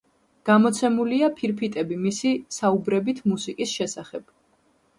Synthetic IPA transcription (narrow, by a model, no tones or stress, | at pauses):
ɡ̥amɔt̪sʰɛmuliapʰiɾpʰit̪ʼɛbimisisaubɾɛbit̪ʰmusikʼisʃɛsaχɛb̥